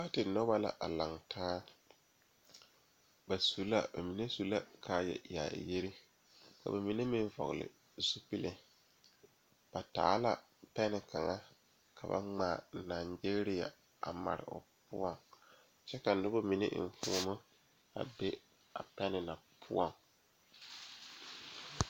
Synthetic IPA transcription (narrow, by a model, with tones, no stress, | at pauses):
a˦tɪ˨nɔ˦ba˦la̰˨ʔa˨la˨ŋtʰaː˦ | ba˨su˨˦la̰˦ba˨mi˨ne˦su˨la˦kʰaː˦jɛ̰˨aː˨je˦ɾi˦ | ka̰˨ba˨mi˨ne˦mɪ̃˦ɱ˦vɔ̰˨ɣlɪ̰˨ | su˦pi˦lɪ˨ | b̥a˨ta̰ː˨˦la˨ | pɛ˦nɪ˨kʰa˨ŋa˦ | kʰa˨ba̰˦ŋ͡maː˨naː˨nd͡ʒe˦ɾi˦ja̰˨ | a˨ma̰˨ɾɪ̰˨ʔʊ̰˨pʊ̰˦ɔ˨ŋ | t͡ʃɛ˦ka˨˦nʊ˦bo˦mi˨nḛ˦ʔɱ˨fu˦mʊ˦ | a̰˨be˦ | a̰˨pɛ˦nɪ˨na˨pʰʊ̰˦ɔ˨ŋ